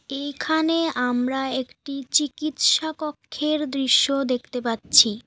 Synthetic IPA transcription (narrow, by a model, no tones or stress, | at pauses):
ejkʰaneamɾaekʈit͡ɕikit̪ʃakɔkʰːeɾd̪ɾiʃːod̪ek̚ʰt̪epatːɕʰi